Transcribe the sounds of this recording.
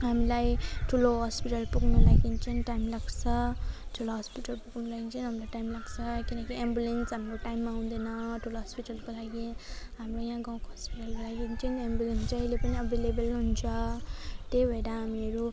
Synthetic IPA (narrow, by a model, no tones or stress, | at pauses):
ɦamilajʈʰuloɦʌspiʈʌlpuɡnulaɡint͡sʰʌnʈajmlaɡt͡sʰʌʈʰuloɦʌspiʈʌlpuɡnulaɡint͡sʰʌnɦamilajʈajmlaɡt͡sʰʌkinʌkiembjulensɦamɾoʈajmːaaw̃d̪ʌnʌʈʰuloɦʌspiʈʌlkolaɡiɦamrojãɡãw̃koɦʌspiʈʌlkolaɡint͡sʰinembjulensʌilepʌniʌbʱelebʌlɦunt͡sʰʌt̪ebʱeɽaɦamiʌɾu